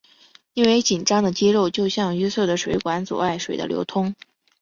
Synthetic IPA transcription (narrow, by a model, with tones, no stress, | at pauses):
i˥nwe˧˥ɪt͡ɕi˨˩nʈ͡ʂɑ˥ŋd̪ə˨t͡ɕi˥ɻo˥˧ʊt͡ɕjo˥˧ʊɕjɑ˥˩ŋy˥sɤ˥˩d̪ə˩ʂwe˧˥ɪkwa˧˥nt͡swɔ̰˨˩a˥˩ɪʂwḛ˨˩ɪd̪ə̰˦ljo̰˧˥ʊt̪ʰʊ˥ŋ